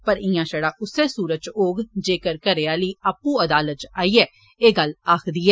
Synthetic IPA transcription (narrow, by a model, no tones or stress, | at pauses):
pəɾɪ̃jãːʃəɽaːʔʊseːsuːɾət͡ʃoːɡd͡ʒeːkəɾkəɾeːaːliːaːpːũːəd̪aːlət̪̚t͡ʃaːiːɛː | eːɡəlaːkʰd̪iːɛː